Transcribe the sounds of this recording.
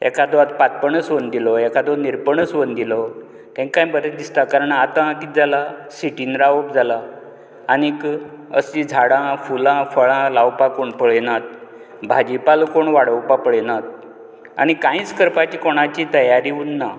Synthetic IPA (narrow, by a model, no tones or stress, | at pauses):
ɛ̰kad̪oat̪pat̪̚pəɳəsʋənd̪ilɔɛkad̪ɔniɾpəɳəsʋənd̪ilɔ | t̪ɛ̃ŋkãjbəɾet̪d̪ist̪akaɾəɳat̪ãakit̪̚d͡zalasiʈinɾaʋopd͡zʱalaː | nikə̰sid͡zʱaɽãfulãfəɭãlawpakoɳpəɭɛnat̪̚ | bʱad͡ʑipalkoɳʋaɽəwpapəɭɛnat̪̚ | a̰ñikãĩːt͡skəɾpat͡ɕiːkoɽ̃at͡ɕit̪əjaɾiunːa